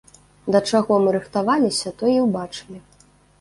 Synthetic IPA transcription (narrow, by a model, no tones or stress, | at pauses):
d̪ɐt͡ʂaɣɔmɨɾɨxt̪avalʲisʲɐt̪ɔiwbat͡ʂɨlʲi